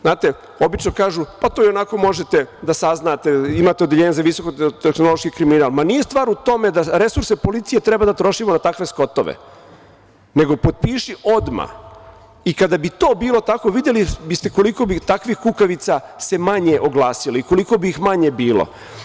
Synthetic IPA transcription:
znaːt̪e | o̞bit͡ʃnokaːʒupat̪oionako̞mo̞ʒet̪ed̪asaznaːt̪eimaːt̪ed̪jeʎeɲezaʋiso̞kot̪exnoloʃkikɾiminaːlˠmanije̞st̪ʋaːɾut̪o̞me̞d̪aɾe̞suɾsepo̞lit̪sije̞t̪ɾe̞bad̪at̪ɾo̞ʃimonat̪akʋe̞sko̞t̪o̞̰ʋḛ | neɡo̞po̞t̪̚piːʃiod̪ma̰ | ikad̪abit̪o̞ːbiːlo̞t̪ako̞ʋid̪jelibist̪e̞ko̞liko̞bit̪akʋixkukaʋit̪sase̞maɲeʔoɡlˠaːsiloiko̞liko̞biːxmaɲe̞biːlo̰

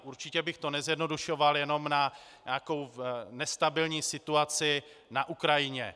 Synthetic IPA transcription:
ʔuɾt͡ʃɪcɛbɪxt̪onɛzjɛdno̞duʃovaljɛno̞mna | ɲaːko̞wnɛst̪abɪlɲiːsɪt̪uat͡sɪ | naʔukɾajɪɲɛ̰

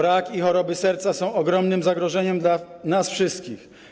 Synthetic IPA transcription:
ɾakixɔɾɔbɘsɛɾt̪sasɔ̃w̃ɔɡɾɔmnɘmzaɡɾɔʐɛɲɛmd̪lanasfʂɘst̪kʲix

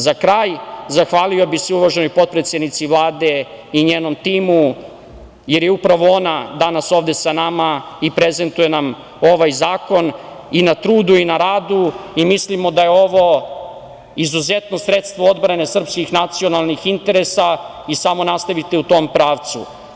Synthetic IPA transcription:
zakɾaːjzaxʋaːliobixseuʋaʒenojpo̞t̪̚pɾet̪sʲjed̪nit̪sivlˠaːd̪e̞ | iɲeːno̞mt̪iːmu | je̞ɾjeupɾaʋo̞onad̪anaso̞ːʋd̪e̞sanamaipɾeze̞nt̪uje̞nam | o̞ʋajzaːko̞n | inat̪ɾuːd̪uinaɾaːd̪uimislimo̞d̪ajeo̞ʋo̞ | izuzet̪no̞sɾet̪st̪ʋood̪bɾane̞sr̩pskixnat̪sio̞nalˠnixint̪e̞ɾesa | isamo̞nast̪aʋit̪eut̪o̞mpɾaːʋt̪sṵ

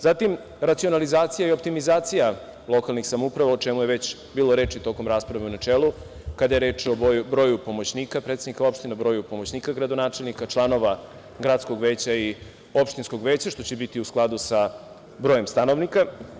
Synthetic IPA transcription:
zat̪im | ɾat̪sio̞nalizaːt̪sijaio̞p̚t̪imizaːt̪sija | lˠo̞kalnixsamupɾaʋaot͡ʃemujeʋet͡ɕ | biːlˠoɾe̞ːt͡ʃit̪o̞ko̞mɾaːspɾaʋeunat͡ʃelu | kad̪aje̞ɾe̞ːt͡ʃoojbɾo̞ːjupo̞mot͡ɕniːkapɾet̪sed̪nikao̞pʃt̪inabɾojupomo̞t͡ɕniːkaɡɾad̪onaːt͡ʃelˠnikat͡ʃlˠano̞ʋa | ɡɾaːt̪skoɡʋeːt͡ɕai | o̞pʃt̪insko̞ɡʋeːt͡ɕaʃt̪o̞t͡ɕebit̪iusklˠad̪usa | bɾo̞ːje̞mst̪ano̞ʋnika

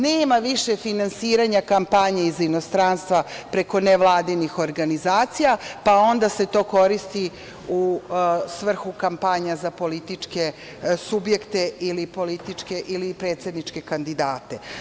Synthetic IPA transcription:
neːmaʋiʂefinansiːɾaɲakampaɲeizino̞st̪ɾaːnst̪ʋapɾe̞ko̞neʋlˠaːd̪inixo̞ɾɡanizaːt̪sijapao̞nd̪ase̞t̪o̞ːko̞ɾist̪i | usʋr̩xukampaɲazapo̞lit̪it͡ʂke̞ | subje̞kt̪e̞ʔilipo̞lit̪it͡ʂke̞ʔilipɾeːt̪se̞d̪nit͡ʂke̞kand̪id̪aːt̪e

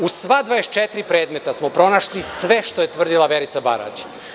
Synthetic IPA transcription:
usʋad̪ʋaest͡ʃet̪ɾipɾeːd̪me̞t̪asmopɾo̞naʃlisʋe̞ʃt̪o̞je̞t̪ʋr̩d̪ilˠaʋe̞ɾit̪saba̰ɾa̰t͡ʃ

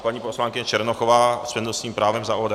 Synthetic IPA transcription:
paɲiːposlaːŋkɪɲɛt͡ʃɛɾnoxovaːspɛnɛlsɲiːmpɾaːvɛmzaʔod

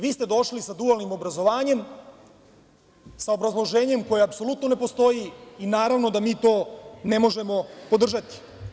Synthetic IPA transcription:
ʋiːst̪e̞d̪o̞ʃlisad̪ualnimo̞bɾazo̞ʋaːɲe̞m | saobɾazlˠo̞ʒeːɲe̞mko̞jeapso̞lut̪none̞po̞st̪o̞jiːnaːɾaʋno̞d̪amiːt̪o̞ːnemo̞ʒe̞mo̞po̞d̪r̩ʒat̪i̥

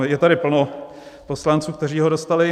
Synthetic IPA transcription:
jɛt̪aɾɪpl̩no | po̞slant͡suːkt̪ɛr̝iːɦodost̪alɪ

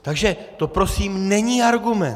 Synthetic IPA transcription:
t̪aɡʒɛt̪o̞pɾo̞siːmnɛɲiːaɾɡumɛn

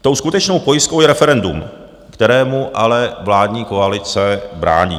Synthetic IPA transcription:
t̪o̞wskut̪ɛt͡ʃno̞wpo̞jɪskowjɛɾɛfɛɾɛndṵm | kt̪ɛɾɛːmuʔalɛvlaːdɲiːkoalɪt͡sɛbɾa̰ːɲḭː

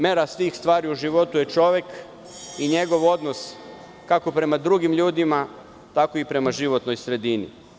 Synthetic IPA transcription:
me̞ɾasʋiːxst̪ʋaːɾiuʒiʋo̞t̪uje̞t͡ʃo̞ʋje̞k | iɲe̞ɡo̞ʋo̞d̪nos | kako̞pɾe̞mad̪ɾuɡimʎuːd̪ima | t̪ako̞ipɾe̞maʒiʋo̞t̪nojsɾe̞d̪inḭ

